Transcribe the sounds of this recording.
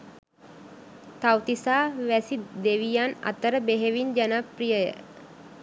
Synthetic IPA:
t̪awt̪isaːʋæsid̪eʋijana̰t̪əɾəbeɦeʋind͡ʒanaprijəjə̰

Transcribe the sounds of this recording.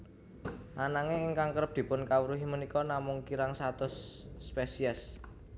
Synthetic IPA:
ʔanaŋeɪŋkaŋkəɾəp̚d̪̥i̤pʊnkawəɾuɦimənikɔnamʊŋkiɾaŋsat̪ʊsːpesiɛs

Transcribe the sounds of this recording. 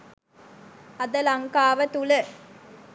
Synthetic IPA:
ɐd̪əlɐŋkaːʋət̪ulə

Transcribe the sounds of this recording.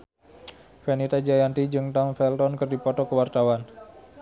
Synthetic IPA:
fɛnit̪ad͡ʒajant̪id͡ʒɨŋt̪ɔnfɛlt̪ɔnkɨrdipɔt̪ɔkəwart̪awan

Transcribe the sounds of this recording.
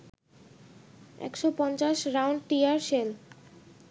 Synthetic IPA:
ɛ̰kʃopɔnt͡ɕaʃɾawɳɖʈiaɾʃel

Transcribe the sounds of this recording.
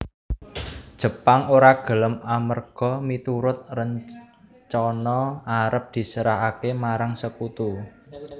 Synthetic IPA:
d̥ʒ̥ə̤paŋoɾaɡ̥ə̤ləmamərɡ̥ɔ̤mit̪uɾʊt̪̚rəɲ | t͡ʃɔnɔaɾəp̚d̪̥i̤səɾaɦakemaɾaŋsəkut̪u

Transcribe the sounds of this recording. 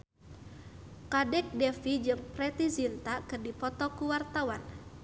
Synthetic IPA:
kadɛk̚dɛfid͡ʒɨŋpɾɛt̪izint̪akɨrdipɔt̪ɔkuwart̪awan

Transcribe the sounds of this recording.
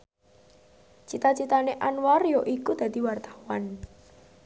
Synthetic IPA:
t͡ʃit̪at͡ʃit̪aneʔanwarjoʔikud̪̥ä̤d̪̥i̤wart̪ḁwan

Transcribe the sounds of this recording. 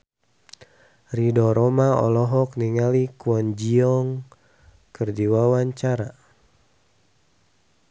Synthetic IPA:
ridɔɾɔmaɔ̰lɔɦɔkniŋalikuɔnd͡ʒiɔŋ | kərdiwawaɲt͡ʃaɾa

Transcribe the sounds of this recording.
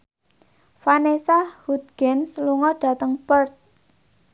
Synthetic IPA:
fanesahud̪ɡ̥ɛnsluŋɔɖ̥ä̤t̪əŋpərt̪̚

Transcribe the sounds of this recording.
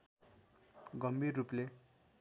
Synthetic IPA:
ɡʌmbirːuple

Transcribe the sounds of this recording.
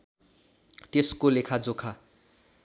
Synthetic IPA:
t̪eskolekʰad͡zokʰa

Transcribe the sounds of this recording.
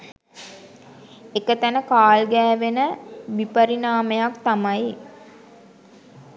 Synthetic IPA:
ekət̪ænəkaːlɡɛːʋenəʋipəɾinaːmejakt̪amaj

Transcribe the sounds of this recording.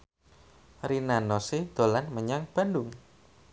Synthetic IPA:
rinanɔsid̪̥o̤lanməɲaŋb̥a̤ndʊŋ

